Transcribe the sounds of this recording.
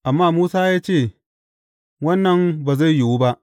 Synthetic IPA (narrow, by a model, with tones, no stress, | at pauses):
ʔa˨mːaː˦˨muː˦saː˦jaː˦t͡ʃeː˦˨ | wɐ˦nːɐ˨mbaː˨za˦˨jjʊ˨wu˦ba˦ʔ